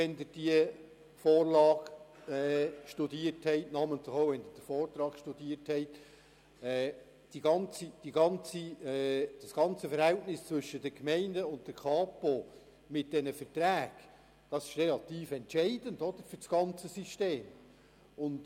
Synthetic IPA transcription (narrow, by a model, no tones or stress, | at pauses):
ɛnd̪ɪɾd̥iə | fɔːrlɑːɡ̥ɛːʃtudiəɾthɛɪtnɑːməntləχoʊʋɛnd̪əɾd̥əɾfɔːrt̪ɾɑːɡ̥ʃtudiəɾthɛɪt | ɛː | d̥iɡɑnt͡sid̥iɡɑnt͡siɛd̥ɑsɡ̥ɑnt͡səfəɾhɛltnɪst͡svʏʃəd̥əkmɛɪndəʊnt̚d̥əɾkʰɑːpo | mɪt̚d̥ɛnəfətɾæːɡ̥ | d̥ɑsɪ̥ʃrɛlɑt̪iːfɛntt͡ʃɛɪdəndɔd̪̥əɾfʏɾsɡ̥ɑnt͡səsiʃteːm | ʊnd